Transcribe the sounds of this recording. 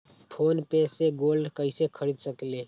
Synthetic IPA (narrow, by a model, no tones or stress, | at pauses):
pʰoːnpeːseɡoːlɖkəisekʰəɾiːd̪səkleː